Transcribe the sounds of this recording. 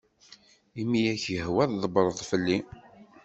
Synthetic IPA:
imijæçjəhwæððˤəbɾˤəðˤfəlːi

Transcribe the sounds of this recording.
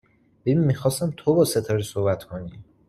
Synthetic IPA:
bebimːixɒːst̪æmt̪ʰobɒːset̪ʰɒːɾisohbæt̪ʰkʰoni

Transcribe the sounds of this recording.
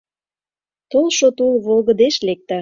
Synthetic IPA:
t̪olʃot̪ulβolɣə̆d̪eʃlek̚t̪ɑ

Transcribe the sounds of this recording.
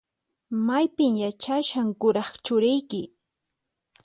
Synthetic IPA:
majpɪmjat͡ʃaʃaŋkʊɾɑχt͡ʃʊɾɪjkɪ

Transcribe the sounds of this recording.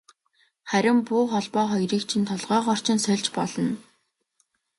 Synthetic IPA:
χæɾʲɪ̆mpuːχɔɮpɔːχɔjriːkt͡ɕʰint̪ʰɔɮʁœːχɔr̥t͡ɕɪ̆nsœɮʲt͡ɕpɔɮɞ̆n

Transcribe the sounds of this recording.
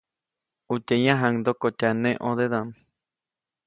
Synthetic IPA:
utejãɦãŋd̪okot͡ʃanẽʔod̪eðan

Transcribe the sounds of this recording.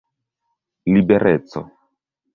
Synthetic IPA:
libeɾʔet̪so̰

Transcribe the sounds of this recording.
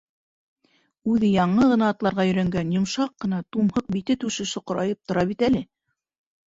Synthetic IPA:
ʉðɘjɑɴɤʁɤ̆nɑːt̪lˠɑɾʁɑjɵ̆jɾæŋɡænjŏmʃɑqːɤ̆nɑt̪umhɤq̚bit̪ɘt̪ʉʃɘʃoqŏɾɑjɤp̚t̪ŏɾɑβit̪ælɘ

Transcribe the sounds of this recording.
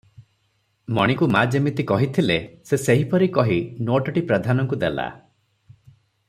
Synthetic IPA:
mɔɽ̃ikumad͡ʒemit̪ikɔɦit̪ʰileseseɦipɔɾikɔɦinoʈɔʈipɾɔd̪ʱanɔŋkud̪ela̰

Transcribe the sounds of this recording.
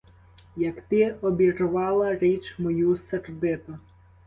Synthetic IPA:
jɐkt̪ɪɔbʲirʊʋɑlˠɐɾit͡ʃmɔjuserd̪ɪt̪ʊ

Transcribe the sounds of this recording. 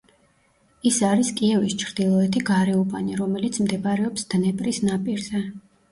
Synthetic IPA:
isaɾiskʼiɛvist͡ʃʰɾd̪ilˠɔɛt̪ʰiɡaɾɛubʼaniɾɔmɛlit̪sʰmd̪ɛbaɾɛɔpsd̪̥nɛpʼɾisnapʼiɾzɛ

